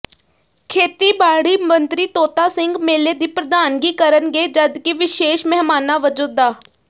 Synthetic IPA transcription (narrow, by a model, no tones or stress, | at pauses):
kʰeːt̪iːbaːɽiːmənt̪ɾiːt̪oːt̪aːsɪŋɡmeːleːd̪iːpɾəd̪aːnɡiːkəɾənɡeːd͡ʒəd̪kiʋɪʃeːʃmɛɦmaːnaːʋəd͡ʒuːd̪aː